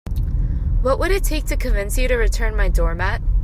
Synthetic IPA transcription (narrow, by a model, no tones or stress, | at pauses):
wʌʔwʔəɾɨtʰeɪk̚tʰɨkʰɨ̃nvɪ̃nsjɨɾɨɹɨtʰɜ̃˞nmaɪdɔɹmæt̚